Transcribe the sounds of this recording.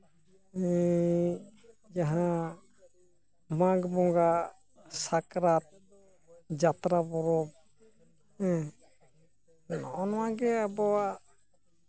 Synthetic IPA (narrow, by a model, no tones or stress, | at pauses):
ɛ | jaɦã | maɡmɔŋɡa | sakɾat̪̚ | d͡ʒat̪ɾabɔɾɔb̚ | ɛ | nɔʔɔnwaɡɛabɔa